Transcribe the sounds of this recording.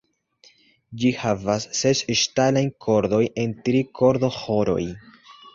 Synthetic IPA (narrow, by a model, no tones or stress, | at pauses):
d͡ʒihavasːesʃtalajkʰo̞ɾd̪o̞je̞ntɾikʰo̞ɾd̪o̞xo̞ɾo̞̰j